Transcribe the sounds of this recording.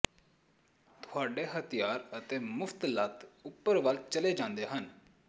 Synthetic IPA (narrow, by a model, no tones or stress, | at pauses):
t̪ʊaːɖeːɦət̪ijaːɾət̪eːmʊft̪lat̪ʊpːəɾʋəlt͡ʃəleːd͡ʒãːnd̪eːɦən